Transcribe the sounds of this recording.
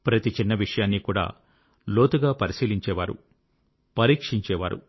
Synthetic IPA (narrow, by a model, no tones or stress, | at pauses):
pɾɐt̪it͡ʃinːɐʋiʂɐjaːnːikuːɽa̰ː | lo̞ːt̪uɡaːpɐɾisiːliɲt͡ʃɛːʋa̰ːɾṵ | pɐɾiːkʂiɲt͡ʃɛːʋaːɾṵ